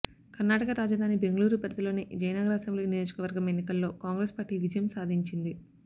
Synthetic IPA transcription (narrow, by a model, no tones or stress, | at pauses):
kɐɾnaːʈɐkɐɾaːd͡ʒɐd̪ʱaːnibe̞ŋɡɐluːɾupɐd̪d̪ɐlo̞ːnid͡ʒɐjnɐɡɐɾaːsɐmblinijo̞ːd͡ʒukɐʋɐɾɡɐme̞nːikɐlːo̞ːkaːŋɡɾeːspaːɾʈiːʋid͡ʒjɐmsaːd̪ʱiɲt͡ʃind̪i